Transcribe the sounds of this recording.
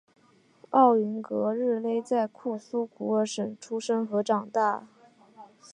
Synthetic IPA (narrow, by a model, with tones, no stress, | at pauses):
ɑ˥˩ʊy˧˥nkɤ˧˥ɻɻ̩˥˧le˥˧ɪt͡sa˥˧ɪkʰu˥˩su˥kʰu˧˥ə˧˥˩ʂə˨˩ŋʈ͡ʂʰu˥ʂə˥ŋxɤ˧˥ʈ͡ʂɑ˨˩ŋt̪a˥˩